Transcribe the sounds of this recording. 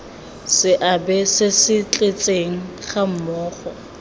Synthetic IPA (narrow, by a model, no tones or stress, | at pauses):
sɪʔabɛsɪsɪt͡ɬʼet͡sʼeŋ̩χam̩mɔːχɔ